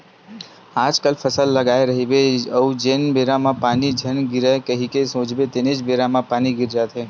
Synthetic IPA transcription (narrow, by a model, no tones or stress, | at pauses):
ad͡ʒkəlfʰəsəlːəɡajɾəɦiʋeəũd͡ʒenbeɾamãpaːnid͡ʒʱənɡɪɾakəɦikesõd͡ʒʋet̪ened͡ʒbeɾamãpaniɡɪɾd͡ʒat̪ʰe